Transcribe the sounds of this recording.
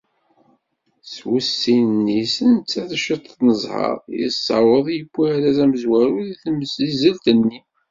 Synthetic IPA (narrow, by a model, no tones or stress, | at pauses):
swusːinːisənt͡sːæθʃət̪ˤθnəzˤhɑ̰ɾˤjə̰sːɑ̰wəðˤjəbːuɾæzæməzwæɾuðiθəmsizəlt̪ənːi